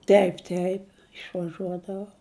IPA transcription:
ˈtʲɛɪp ˈtʲɛɪp ɪʃʋɐˈʒuɔdɐʋɐʊ

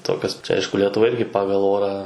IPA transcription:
ˈtoːkʲoːs ˈɐɪʃkʊ lʲɛtʊˈʋɐ ˈɪrʲɡʲɪ ˈpɑːɡɐlˠ ˈoːrɑː

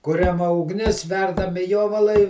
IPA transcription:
ˈkʊrʲɛmɐ ʊɡˈnʲɪs ˈʋʲɛrdɐmʲɪ ˈjoːʋɐlˠɐɪ

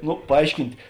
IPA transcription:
ˈnʊ pɐˈɐɪʃʲkʲɪnʲtʲ

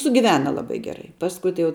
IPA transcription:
sʊɡʲɪˈʋʲæːnɐ lˠɐˈbɐɪ ɡʲɛˈrɐɪ ˈpɑːskʊɪ tɐɪ jɛʊ

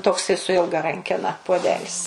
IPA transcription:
ˈtoːksɐɪ sʊ ˈɪlˠɡɐ ˈrɐŋʲkʲɛnɐ puɔˈdʲæːlʲɪs

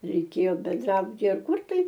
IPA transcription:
rʲɛɪˈkʲeːjoː bʲɛnˈdrɑːbʊtʲiːjɛ ɐr ˈkʊr tɐɪ

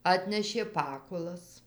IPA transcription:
ˈɑːtʲnʲɛʃʲeː ˈpɑːkʊlˠɐs

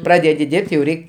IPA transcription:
ˈprɑːdʲɛdʲɪ ˈdʲɪrʲpʲtʲ jɛʊ ˈrʲɛɪkʲ

